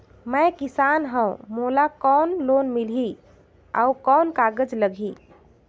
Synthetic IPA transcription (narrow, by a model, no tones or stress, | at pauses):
məjkisanɦə̃wmolakɔnlonmilɦi | a̰ukɔnkaɡəd͡ʒləɡʱi